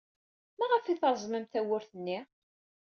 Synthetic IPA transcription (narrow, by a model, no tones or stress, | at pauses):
mæʁəfiθəɾˤzˤməmθæwʊɾθənːi